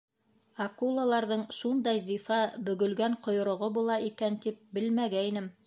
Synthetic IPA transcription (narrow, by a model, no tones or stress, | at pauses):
ɑkulˠalˠɑɾðɤɴʃund̪ɑjzifɑbɵ̆ɡɵ̆lɡæɴqŏjŏɾŏʁobulˠɑʔikænt̪ip̚bɘlmæɡæinɘm